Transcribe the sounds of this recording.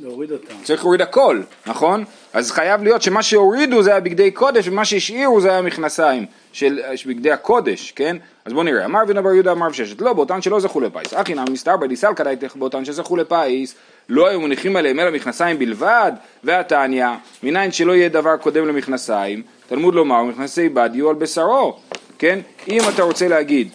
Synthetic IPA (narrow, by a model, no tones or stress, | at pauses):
lʁid̪ot͡saʁiχleid̪ako̞lnaχo̞n | ʔazχajavlijo̞t̪ʃe̞maʃe̞o̞ʁid̪uzeajabiɡd̪e̞jkʰo̞d̪eʃvemaʃeiʃiʁuzeajamiχnasaim | ʃelbiɡd̪e̞jako̞de̞ʃke̞n | azbo̞niʁḛa̰maʁvinabaʁjud̪aːmaʁvʃeʃet̪lo̞beotanʃe̞lo̞zaχule̞pa̰isaχinammist̪aʁbadisalkad̪ajt̪eχbeotanʃezaχule̞pais | lo̞ajumeniχimale̞ɦemelamiχnasajimbilvad̪ | veatanja | minainʃe̞lo̞ijed̪avaʁko̞de̞mle̞miχnasaim | t̪almud̪lo̞maʁmiχnasejbad̪ijualbesaɾo̞ke̞nimat̪aʁo̞t͡se̞lehaɡid̪